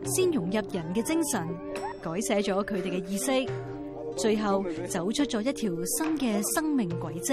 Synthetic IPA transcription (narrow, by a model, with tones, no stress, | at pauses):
siː˥njʊ˨˩ŋjɐ˨p̚jɐ˨˩nkɛː˧t͡sɪ˥ŋsɐ˨˩n | kɔː˨˥jsɛː˨˧t͡ʃɔː˨˥kʰɵ˨˧ɥt̪e˨˩jkɛ˧jiː˧sɪ˥k̚ | t͡ʃɵ˧ɥɦɐ˨wt͡sɐ˨˥wt͡ʃʰɵ˥t̚t͡ʃɔː˨˥jɐ˥t̚t̪ʰiː˨˩wsɐ˥nkɛː˧sɐ˥ŋmɪ˨ŋkʷɐ˨˥jt͡sɪ˥